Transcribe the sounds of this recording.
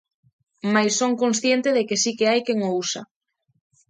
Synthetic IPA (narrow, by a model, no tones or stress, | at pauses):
majsːoŋkonsθjent̪eðekesikeajkeŋousa̰